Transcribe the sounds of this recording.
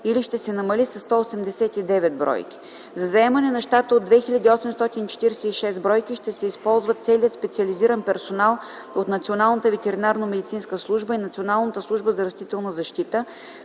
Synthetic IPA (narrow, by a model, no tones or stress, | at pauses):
iliʃt̪ɛsɛnɐmɐlisɐst̪ɔosɛmd̪ɛsɛt̪id̪ɛvɛd̪̚bɾɔ̰jkʲi̥ | zɐzɐɛmɐnɛnɐʃt̪at̪əod̪ːvɛxilʲəd̪iɔsɛmst̪ɔt̪init͡ʃɛ̥t̪iɾɛsɛiʃɛst̪bɾɔjkiʃt̪ɛsɛispɔlˠzvət̪sɛliət̪spɛt̪siɐliziɾənpɛɾsonalˠ | ot̪nɐt̪sionalˠnət̪əvɛt̪ɛɾinaɾnomɛd̪it̪sinskəslˠuʒbəinɐt̪sionalˠnət̪əslˠuʒbəzɐɾɐst̪it̪ɛlˠnəzɐʃt̪it̪ə